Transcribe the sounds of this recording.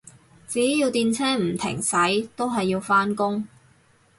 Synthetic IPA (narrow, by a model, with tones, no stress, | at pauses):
t͡siː˨˥˦jiː˧wt̪iː˧nt͡sʰɛː˥m̩˨˩t̪ʰɪ̰˨˩ŋsɐ˨˥jt̪o˥wɦɐ˨jːiː˧wfaː˥nkʊ˥ŋ